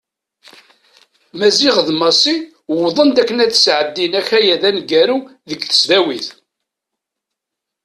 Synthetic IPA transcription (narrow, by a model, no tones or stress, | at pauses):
mæziʁəðmɑsˤi | wðˤənd̪ækːənæt͡sːə̥sʕəd̪ːinæçæjæðænɡæɾu | ðəɡθə̥sðæwiθ